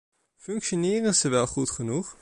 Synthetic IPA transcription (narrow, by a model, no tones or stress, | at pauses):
fɵŋkʃonɪːrənzəʋɛlˠχutχənuχ